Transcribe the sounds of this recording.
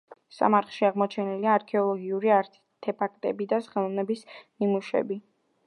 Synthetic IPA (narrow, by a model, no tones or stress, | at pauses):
sa̰maɾtχʃiaʁmɔt͡ʃʰɛniliaːɾkʰɛɔlˠɔɡiuɾiaɾ | t̪ʰɛpʰakʼt̪ʼɛbid̪asχɛlˠɔvnɛbisnimuʃɛ̰bi